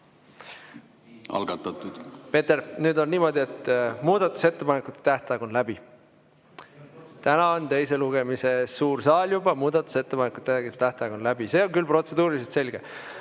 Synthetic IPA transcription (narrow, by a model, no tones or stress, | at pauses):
ɑ̰lɡ̥ɑt̪ːˑɑt̪ˑud̪̥pe̞t̪ːeɾnyːd̪o̞nːiːmo̞d̪ie̞t̪ːmuːd̪̥ɑt̪ːˑu̥se̞t̪ːe̞pɑnekut̪ːˑe̥t̪æht̪ɑeɡ̥onlæb̥i | t̪ænɑo̞nt̪e̞jse̞luɡe̞mise̞suːrsɑːlʲjubɑmuːd̪̥ɑt̪ːˑu̥se̞t̪ːepɑnekˑut̪ːˑek̪t̪æht̪ɑjɡonlæbise̞ːonkylpro̞t̪se̞d̪uːɾiliset̪se̞lʲɡ̥e